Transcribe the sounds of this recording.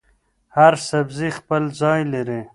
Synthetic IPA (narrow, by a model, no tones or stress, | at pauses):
haɾsabzixpəlzɑjlaɾi